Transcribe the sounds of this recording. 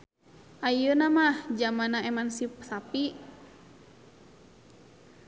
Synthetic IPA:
ʔajənamahd͡ʒamanaemansipsapi

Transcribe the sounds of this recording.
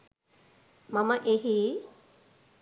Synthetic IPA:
mɐməʔeɦi

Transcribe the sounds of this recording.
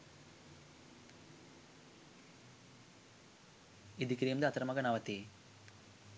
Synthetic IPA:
id̪ikɾijɐmd̪ɐt̪ɐɾɐmɐɡɐnaːʋɐt̪i

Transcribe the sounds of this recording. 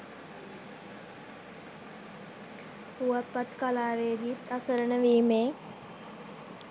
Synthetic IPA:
puʋapːat̪kalaːʋeːd̪iet̪ʰasəɾənəʋiːmeː

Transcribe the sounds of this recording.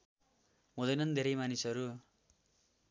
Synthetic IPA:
ɦũd̪ʌjnʌnd̪ʱeɾʌjmanisʌɾu

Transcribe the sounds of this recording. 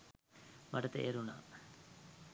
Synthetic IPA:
maʈət̪ḛʔːɾuna̰ː

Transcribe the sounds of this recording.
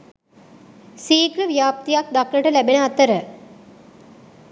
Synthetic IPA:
siːkləʋijaːp̚t̪ijak̚d̪akləʈəlæbenəat̪əɾə

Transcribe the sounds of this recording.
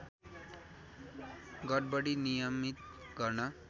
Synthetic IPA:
ɡʌd̚bʌɽinijʌmit̪ɡʌrnʌ

